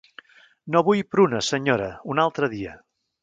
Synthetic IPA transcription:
noβujpɾunəsəɲoɾəunalˠt̪ɾəðiə

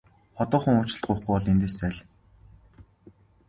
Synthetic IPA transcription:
ɔt̪ɔːχə̆ŋʊːt͡ɕɪ̆ɮt̪̚ɢʊːχɡujɔɮent̪eːst͡sæːɮ

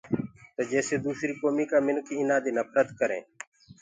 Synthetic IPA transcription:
t̪oːd͡ʒɛːseːd̪uːsɾiːkoːmiːkaːmɪnkiːɪnaːd̪iːnəpɾət̪kəɾḛ̃ː

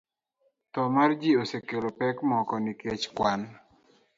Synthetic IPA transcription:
t̪ɔmard͡ʒiosekelopɛkmɔkɔniket͡ʃkwan

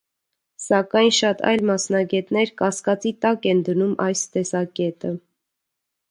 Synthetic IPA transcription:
sɑkɑjnʃɑt̪ʰɑ̰jlmɑsnɑɡɛt̪nɛɾkɑskɑt͡sit̪ɑkɛnd̪ənumɑjst̪ɛsɑkɛt̪ə

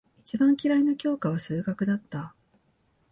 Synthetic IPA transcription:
it͡ɕibãŋkʲiɾainakʲo̞ːkaβ̞asɨːɡakɯ̟d̪at̪ːa

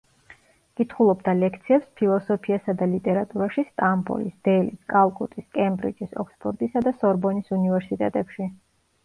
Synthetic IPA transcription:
kʼit̪ʰχulˠɔbd̪alɛkʰt̪sʰiɛpspʰilˠɔsɔpʰiasad̪alit̪ʼɛɾat̪ʼuɾaʃist̪ʼambɔ̰lisd̪̥ɛliskʼalˠkʼut̪ʼiskʼɛmbɾḭd͡ʒisɔ̰kʰspʰʼɔɾt̪ʼisad̪asɔɾbɔnisunivɛɾsit̪ʼɛt̪ʼɛpʃi

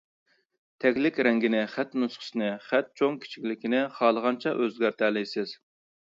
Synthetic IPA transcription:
t̪ʰɛkʲlɪkʲɾɛŋɡʲɪnɪχæt̪nusχʰə̥sɨnɪχæt̪̚t͡ʃʰoŋkʲʰi̥t͡ʃʰi̥kʲlɪkʲinɪχɑːlˠəʁɑnt͡ʃʰɛʔøzɡʲæɾt̪ʰælɪjsɪz̥

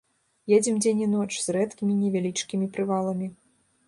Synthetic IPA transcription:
jɛd͡zʲɛmd͡zʲenʲinɔt͡ʂz̥rɛt̪kʲimʲinʲɛvʲalʲit͡ʂkʲimʲipɾɨvalˠɐmʲi

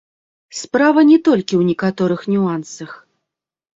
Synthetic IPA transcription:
spɾavɐnʲɛt̪ɔlʲkʲiwnʲɛkat̪ɔɾɨxnʲuansɐx

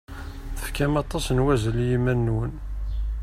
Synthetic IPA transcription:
θəfkæmɑt̪ˤːɑsnwæzəljimænːun

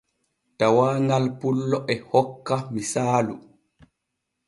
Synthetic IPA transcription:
tawaːŋɡalpulːɔʔɛhɔkːamisaːlu

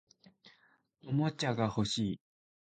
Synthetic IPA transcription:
omot͡ɕaɡaho̞ɕiː

